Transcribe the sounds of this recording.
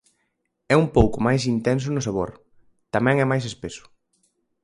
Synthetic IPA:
ɛumpowkʊmajs̬int̪ɛns̬ʊnʊsaβ̞oɾ | t̪amɛ̃ŋɛmajs̬espesʊ̥

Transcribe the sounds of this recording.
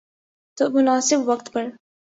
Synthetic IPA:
t̪omʊnaːsɪbwɐkt̪pɐɽ

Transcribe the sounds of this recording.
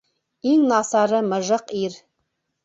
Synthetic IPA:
iŋnɑsɑɾəmə̆ʒɤqiɾ

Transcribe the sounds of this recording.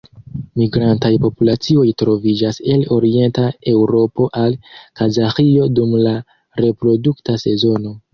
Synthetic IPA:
miɡɾantajpo̞pulat͡sio̞jtɾo̞vid͡ʒase̞lo̞ɾie̞ntae̞wɾo̞po̞ʔalkazaxio̞dumla | ɾe̞pɾo̞duktase̞zo̞no̞

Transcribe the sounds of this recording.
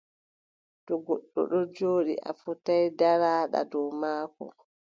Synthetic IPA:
tɔɡɔɗːɔ̰ɗɔd͡ʒoːɗḭʔa̰futajdaɾaːɗa̰dɔwmaːkɔ̰

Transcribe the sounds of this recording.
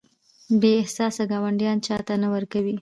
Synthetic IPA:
beɪhsɑsaɡɑwaɳɖjɑnt͡ʃɑt̪anawəɾkawi

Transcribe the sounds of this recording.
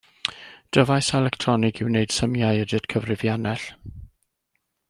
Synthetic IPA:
d̥əvajsɛlɛktʰrɔnɪɡɪwneɨd̥səmjajədɪdkʰəvrɪvjanɛɬ

